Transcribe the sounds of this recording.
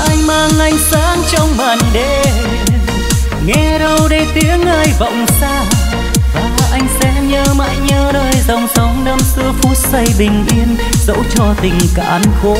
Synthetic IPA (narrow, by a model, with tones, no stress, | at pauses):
ʔa˧jŋ̟maː˧ŋʔa˧jŋ̟saː˨˦ŋt͡ɕɔ˧wŋ͡mɓaː˨˩nɗe˧ | ŋɛ˧˦ɗə˧wɗe˧t̪i˨˦əŋʔaː˧jvɔ̰˧˨wŋ͡msaː˧ | vaː˨˩aː˨˩ʔa˧jŋ̟sɛ̰˧˥ɲəː˧ma̰ː˧˥jɲəː˧nəː˧jzə˨˩wŋ͡msə˨˦wŋ͡mnə˧msɨ˧əfu˦˥t̚sə˧jɓï˨˩ŋ̟ʔi˧ən | zə̰˧˥wt͡ɕɔ˧t̪ï˨˩ŋ̟ka̰ː˧˦nxo˧˨˦